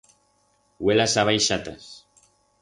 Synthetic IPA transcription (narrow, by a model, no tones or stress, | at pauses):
welasaβajʃat̪as